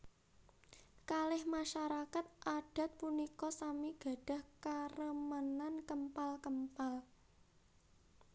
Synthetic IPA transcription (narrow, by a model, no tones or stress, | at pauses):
kalɪhmaʃaɾakat̪̚ʔaɖ̥ä̤t̪̚punikɔsamiɡ̥a̤ɖ̥ä̤hkərəmənankəmpalkəmpal